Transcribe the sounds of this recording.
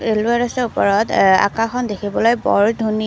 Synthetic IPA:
eluaɹɔsɔɹupɔɹɔta̰kãxɔndekʰibɔlojbɔ̰ɹdʱuni

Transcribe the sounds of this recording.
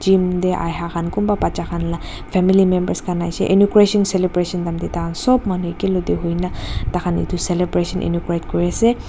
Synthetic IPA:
d͡ʒimd̪eʔa̰jɦakʰankumbapat͡ʃakʰanla | pʰɛmilimembəɾskanajsḛʔinukɾesɔnselebɾesɔnd̪amd̪it̪akʰansɔbmanuikelod̪eɦojnat̪akʰanḭt̪ʰuselebɾesɔnʔḭnukɾeʈkɔɾase

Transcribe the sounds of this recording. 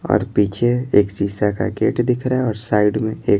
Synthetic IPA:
ɔ̰ːɾpiːt͡ʃʰeeːksiːsaka̰kḛːʈd̪ɪkʰɾaeɔːɾsaːɪɖmẽeːk

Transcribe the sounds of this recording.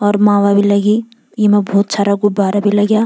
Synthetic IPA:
ɔɾmawabilaɡi | jimabʱoːt̪sʰaɾaɡubaɾabʱilaɡja

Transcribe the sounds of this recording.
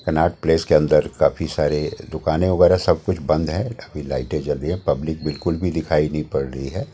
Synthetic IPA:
kɐnaːʈ̚pleːskeɐ̃nd̪əɾkaːfʰisaːɾed̪ʊkaːnẽɐɣɛːɾasɐb̚kʊt͡ʃʰbɐ̃nd̪ɦɛ̃ɐbʱilaːɪʈẽt͡ʃɐlɾəɦiɦɛ̃pɐblɪk̚bɪlkʊlbʱid̪ɪkʰaːinɐɦĩpɐɽɾɐɦiɦɛː

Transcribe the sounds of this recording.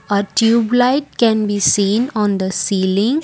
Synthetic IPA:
əʈjuːblaɪʈ̚kɛ̃nbiːsĩːnɔ̃ːnd̪əsiːlɪ̃ŋ

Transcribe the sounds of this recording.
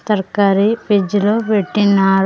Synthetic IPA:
t̪ɐɾkɐɾiped͡ʒuloːpeʈːinːaː

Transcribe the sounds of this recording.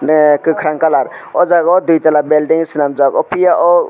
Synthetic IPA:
nkɯkʰɾaŋkalaɾ | ɔd͡ʒaɡɔd̪ujt̪alabelɖiŋsinamd͡ʒaɡɔpʰijaʔɔ

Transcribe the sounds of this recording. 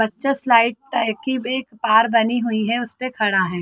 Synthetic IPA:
bɐtːʃəslaːɪʈ̚ʈakibeːkpaːɾbɐniɦʊiɦɛʊspekʰɐɽaɦɛː

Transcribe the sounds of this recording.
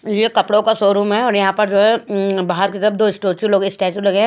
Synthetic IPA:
jekɐpɽõkasoːɾuːmɦɛɔːɾjɐɦãpɐɾd͡ʒoːɦɛbaːɦəɾkit̪ɐɾəfd̪oːɪsʈoːt͡ʃuloːɡeɪsʈɛːt͡ʃulɐɡe

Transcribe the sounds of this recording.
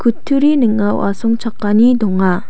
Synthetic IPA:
kutʰuɾinɯŋːawʔa̰sʰoŋt͡ɕʰak͈aɲitoŋa

